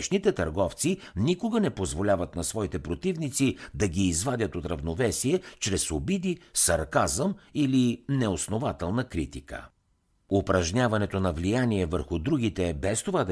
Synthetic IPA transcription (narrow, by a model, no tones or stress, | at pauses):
ʃnit̪ɛt̪ɐɾɡɔft̪si | nikoɡənɛpozvolʲavət̪nɐsvɔit̪ɛpɾot̪ivnit̪sid̪ɐɡʲiːzvad̪ʲət̪ot̪ɾɐvnovɛsiɛt͡ʃɾɛsobid̪isɐɾkazəmilinɛosnovat̪ɛlˠnəkɾit̪ikə̰ | ʊpɾɐʒnʲavɐnɛt̪onɐvlijaniɛvəɾxʊd̪ɾuɡʲit̪ɛbɛst̪ovad̪ɐ